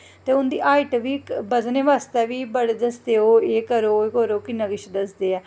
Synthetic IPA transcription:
t̪eːʊnd̪iːʔaːiʈʋiːbəznẽːʋaːst̪ɛːʋiːbəɽed̪əsd̪eːoːeːkəɾoːkoɾoːkɪnːãːʋɪʃd̪əsd̪eːɛː

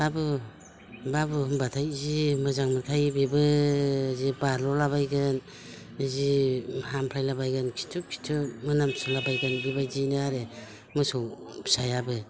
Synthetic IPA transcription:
babɯ | babɯhɯmbatʰajzimɯzaŋmɯkʰajbebɯ | zibaɾlɔlabajɡɯn | zihampʰɾajlabajɡɯnkʰi̥tʰukʰi̥tʰumɯnamsɔlabajɡɯnɡibajzinɯaɾe | mɯsɔsajabɯ

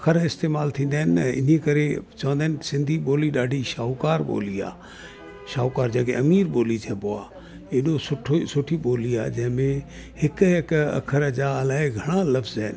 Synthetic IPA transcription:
kʰəɾɪst̪eːmaːlt̪ʰĩnd̪ɛnɪ̰niẽkəɾet͡ʃõːnd̪ɛːnsɪ̃nd̪ʱiboːliɗaːɖʱiʃaːkaːɾbo̰ːlia̰ː | ʃaːukaːɾd͡ʒaːkeɐmiːɾboːlit͡ʃʰɛboːa̰ː | eːɗosʊʈʰosʊʈʰiɓoːlia̰ːd͡ʒɛ̃ɦmẽ | ɦɪkekɐ̰kʰəɾəd͡ʒaːəlaːeɡʱɐɽ̃ãlɐfzɛːn

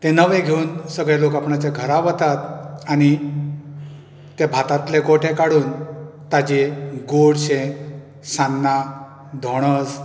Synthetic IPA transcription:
t̪ẽnəʋẽɡʱeuːnsəɡɭjelokapɳat͡ɕaɡʱəɾaʋət̪at̪aɽ̃i | t̪ebʱat̪at̪leɡoʈʰẽkaɽuːnt̪ad͡ʑeɡoɽɕẽ | sanːa | d̪ʱoɽ̃əs

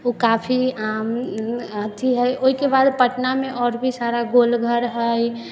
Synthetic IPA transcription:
okapʰiamət̪ʰiɦəjʔoɦikebad̪pəʈnamẽʔɔːɾbʱisaɾaɡolɡʱəɾɦəj

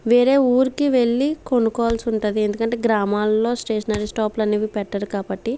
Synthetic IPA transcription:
ʋeːɾe̞ːuːɾikiʋe̞ɭːiko̞nukɔːʋɐlsiuɳʈud̪ie̞nd̪ukɐɳʈe̞ːɡɾaːmaːlːo̞ːsʈeːʂɐnaːɾisʈaːplɐnːiːʋipɛʈːɐɾukaːbɐʈːi

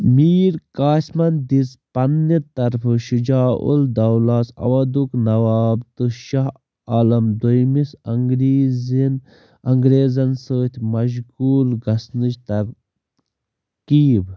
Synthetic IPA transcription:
miːɾkaːsmɐnd̪izpɐnːit̪ɐɾfʰɨʃud͡ʒaːʔṵld̪ɐwlasɐ̰ʋɐd̪uknɐwaːbt̪ɨʃaɦ | aːlɐmd̪ojmisɐŋɡɾiːzin | ɐŋɡɾeːzɐnsəːt̪ʲʰmɐʃ̬ɡuːlɡɐsnɨd͡ʒt̪ɐɾ | kiːb

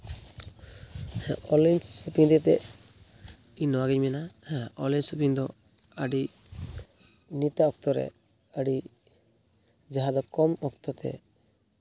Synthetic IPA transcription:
hɛ̰̃ɔlinsupiɲd̪ɛt̪ɛ | iɲnɔwaɡɛɲmɛnahɛ̃ɔlinsupind̪ɔ | əɖi | nit̪aɔk̚t̪ɔɾɛ̰ | əɖi | d͡ʒaɦad̪ɔkɔmɔkt̪ɔt̪ɛ̰

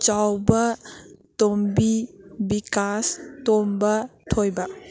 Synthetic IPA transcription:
t͡ʃawbɐtombibikastombɐtʰojba

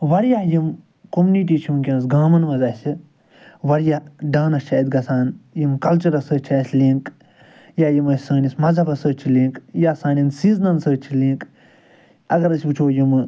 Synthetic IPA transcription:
ʋɐɾjaːjim | komuniʈiːt͡ʃʰimk̬ʲɐ̃ːnsɡaːmɐnʋɐzaːsi | ʋɐɾjaɖaːnɐst͡ʃʰaːjd̪ɡɐt͡sʰaːnjimkɐlt͡ʃɐɾɐsət͡ʃʰaːsʲliːŋk | jaːjimɐsʲsɐːnʲismɐzɐbɐsəːt͡ʃʰiliːŋkjaːsaːnʲinsiːznɐnsəːt͡ʃʰiliːk | ɐɡɐɾɐsʲbut͡ʃʰoːjim

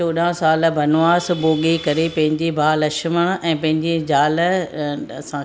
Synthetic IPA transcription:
oːɗãsaːlbʱɐnʊaːsboːɠikɐɾepɐ̃ɦɪ̃ɲd͡ʑibʱaːlɐʃməɽ̃ɛ̃ːpɐ̃ɦɪ̃ɲd͡ʑid͡ʑaːl | ɐsã

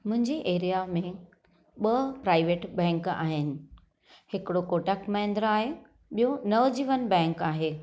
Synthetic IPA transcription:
mʊ̃ɦɪ̃ɲd͡ʑeʔeːɾijamẽ | ɓɐpɾaːɪʋeːʈbɛ̃ːŋka̰ːɦɪnɪ̆ | hɪkɪɽokoːʈəkmãɪ̃nd̪ɾaːɦe | ɓijonɐʋd͡ʑiːʋənbɛ̃ːŋkaːɦeː

